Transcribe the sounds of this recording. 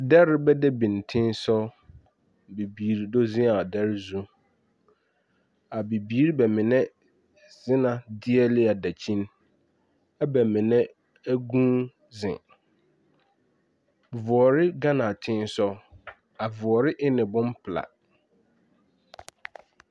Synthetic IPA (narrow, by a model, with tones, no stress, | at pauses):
dɛ˦ɾɪ˦bɛ˦dɛ˦bĩ˨n˨tʰɪ̃˦nsɔ˦ | be˨biː˨ɾi˨do˦zɪ̃˦a˨dɛ˦ɾzũ˦ | a˨be˨biː˦ɾi˦bɛ˨mɪ̃˨nɛ̃˦ | z̥ɪ˦nã˨dɪ˦ɛ˦lɪ˦a˨dæ˨t͡ɕʰĩ˦n | ɛ˦bɛ˨mɪ̃˨nɛ̃˦ | æ˦ɡũː˦ | zɪ̰̃˨ | vʊ˨ɔ˨ɾɪ˦ɡã˦nã˨tʰɪ̃˦n˦sɔ˦ | a˨vʊ˨ɔ˨ɾɪ˦ʔɪ˦nɪ̃˨bʊ̃˦m˦pʰla̰˨